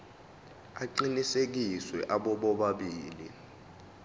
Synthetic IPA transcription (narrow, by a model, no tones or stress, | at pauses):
aǃinisek̬iswɛʔaɓɔɓɔɓaɓiːlḭ